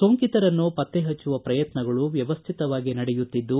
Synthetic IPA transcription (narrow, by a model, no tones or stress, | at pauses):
soːŋkit̪ɐɾɐnːupɐt̪ːeɦɐt͡ʃːuʋɐpɾɐjɐt̪nɐɡɐɭuʋjɐʋɐst̪ʰit̪ɐʋaːɡinɐɽɛjut̪ːid̪ːu